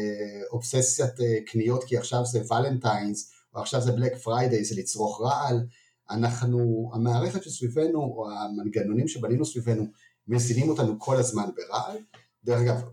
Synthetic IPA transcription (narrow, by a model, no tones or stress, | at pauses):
o̞psesjateknijo̞t̪kiaχʃavzevalentajnz | oaχʃavzeblekfʁajdejzelit͡sʁo̞χʁaʔal | anaχnuamaːʁe̞χet̪ʃesvive̞nuoamanɡano̞nimʃe̞baninusvive̞nu | mezinimo̞tanukʰo̞lazmanbe̞ʁaʔal | d̪eʁeχaɡav